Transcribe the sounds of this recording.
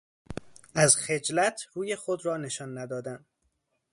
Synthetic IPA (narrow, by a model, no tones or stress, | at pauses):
æzxe̞d͡ʒlæt̪ʰɾuːje̞xod̪ɾɒːne̞ʃɒːnːæd̪ɒːd̪æn